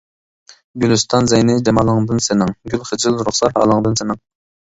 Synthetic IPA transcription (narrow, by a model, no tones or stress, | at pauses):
ɡʲylyst̪ʰɑnzɛjnɪd͡ʒɛmɑlˠəŋd̪ɨnsɪnɪŋɡʲylˠχəd͡ʒɪlˠɾʊχsɑɾhɑ̰ːlˠəŋd̪ɨnsɪnɨŋ